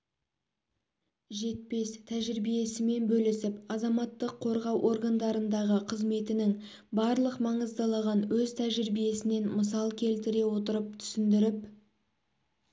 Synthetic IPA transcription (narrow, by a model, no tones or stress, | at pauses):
ʒe̞t̪̚pe̞st̪ʰæʒɪɾbije̞sɪme̞nbɵlɪsɪpɑzɑmɑt̪ːəqʰːo̞ɾʁɑwʔo̞ɾɡand̪ɑɾənd̪ɑʁəqʰəzme̞t̪ɪnɪŋ | bɑɾlˠəqmɑɴəzd̪ɑlˠɑʁɑnwɵzt̪ʰæʒɪɾbije̞sɪne̞nməsɑlˠkʲʰe̞lt̪ɪɾe̞wo̞t̪əɾəp̚t̪ʰʏ̥sɪnd̪ɪɾɪp